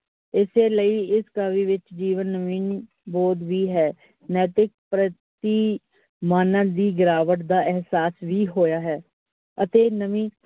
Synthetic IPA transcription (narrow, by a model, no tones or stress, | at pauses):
ɪseːləiɪskaːʋiːʋɪt͡ʃd͡ʒiːʋənːəmiːn | bɔːt̪bʱiːɦɛː | nɛːt̪ɪk̚pɾət̪iː | maːnãːd̪iːɡɪɾaːʋəʈd̪aːʔɛɦsaːsʋʱiːɦoːjaːɦɛː | ət̪eːnəmĩː